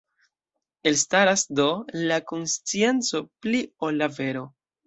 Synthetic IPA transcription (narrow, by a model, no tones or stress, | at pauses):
e̞lstaɾasdo̞lakonst͡sie̞nt͡so̞plio̞lːave̞ɾo̞